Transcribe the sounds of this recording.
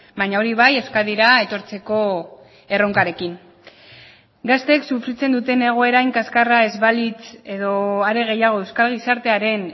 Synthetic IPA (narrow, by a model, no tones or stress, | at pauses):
baɲaoɾiβ̞aje̞wskaðiɾae̞t̪o̞ɾt͡se̞ko̞ | e̞ro̞ŋkaɾe̞kin | ɡast̪eksufɾit͡se̞nd̪ut̪e̞ne̞ɣ̞o̞e̞ɾajŋkaskarae̞zβalit͡se̞ðo̞aɾe̞ɣ̞ejaɣ̞o̞e̞wskalɣ̞isaɾt̪e̞aɾe̞n